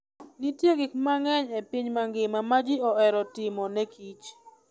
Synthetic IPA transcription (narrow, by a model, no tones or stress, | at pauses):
nitjeɡɪkmaŋɛɲepiɲmaŋɡɪmamad͡ʒɪɔɛɾɔtɪmɔnɛkʰit͡ʃ